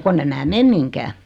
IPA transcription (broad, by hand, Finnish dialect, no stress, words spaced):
konː em mæː mem miŋkæː